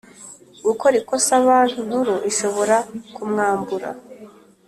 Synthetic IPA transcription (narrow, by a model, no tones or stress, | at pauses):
ɡukoɾikosaβaːn̥hun̥huɾoʔiʃo̞βo̞ɾakumŋaːmbuɾa̰